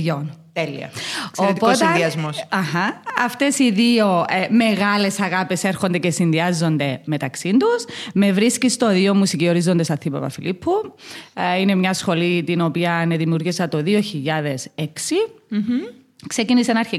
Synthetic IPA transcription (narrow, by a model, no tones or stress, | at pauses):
ont̪elḭɐ̰sɾipot̪ɐiɐzmosɐhɐɐft̪e̞siðiome̞ɣɐle̞sɐɣɐpese̞ɾxond̪ecesinðiɐzːo̞nd̪e̞me̞t̪ɐksind̪usme̞vɾiscist̪oðiomusicio̞ɾizo̞nd̪esɐθipɐ̰pɐ̰filipʰːu | ine̞mɲɐsxo̞lit̪ino̞piɐne̞ðimiuɾɣisɐt̪o̞ðio̞çiʎːɐðe̞seksi | ksecinisenɐɾçi